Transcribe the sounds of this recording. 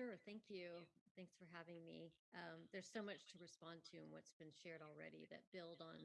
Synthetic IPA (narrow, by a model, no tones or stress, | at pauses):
ʊɹθæ̃ŋkʰjʉθæ̃ŋksfə˞ɦævɪ̃ŋmḭʌ̃ðə˞z̥soʊmʌt͡ʃtʰɨɹɨspɑ̃ntʰɨə̃nwʌ̰tsb̥ɨ̃nʃɛɹɾl̩ˠɹɛ̰ɾḭðɨ̰t̚b̥ɪlˠdn̩